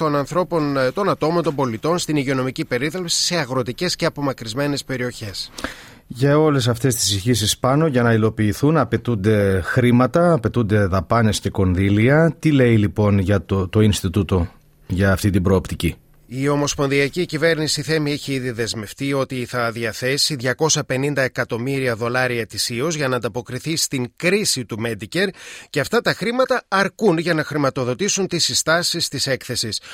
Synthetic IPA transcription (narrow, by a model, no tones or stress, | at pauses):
t̪o̞nɐnθɾo̞po̞nt̪o̞nɐt̪o̞mo̞nt̪ombo̞lit̪o̞nst̪iniʝio̞no̞micipe̞ɾiðɾɐpsi̥se̞ɐɣɾo̞t̪ice̞sce̞ɐpo̞mɐkɾizme̞ne̞spe̞ɾio̞çe̞s | ʝɐo̞le̞s̬ɐft̪e̞st̪i̥siçisispɐno̞ʝɐnɐilo̞piːθunɐpe̞t̪und̪e̞xɾimɐt̪ɐːpe̞t̪und̪e̞ðɐpɐne̞sce̞ko̞nðiliɐt̪ile̞ilipo̞nʝɐt̪ot̪oinst̪it̪ut̪o̞ | ʝɐːft̪it̪ibɾo̞ːpt̪ici | io̞mo̞spo̞nðiɐcicive̞ɾnisiθe̞mieçiiðiðe̞zme̞ft̪io̞t̪iθɐðiɐθe̞siðʝɐko̞sɐpe̞nind̪ɐe̞kɐt̪o̞miɾiɐðo̞lɐɾiɐet̪isiozʝɐnɐːnd̪ɐpo̞kɾiθist̪iŋkɾisit̪ume̞d̪ice̞ɾce̞ɐft̪ɐt̪ɐxɾimɐt̪ɐɐɾkunʝɐnɐxɾimɐt̪o̞ðo̞t̪isunt̪isist̪ɐsist̪ise̞kθe̞sis